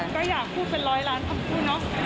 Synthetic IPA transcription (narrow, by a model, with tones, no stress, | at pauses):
kɔː˥˩jaː˨˩k̚pʰuː˥˩t̪̚pe˧nɾɔː˦˥jɾaː˦˥nt̪ʰa˧mkʰuː˥˩nɔ˦˥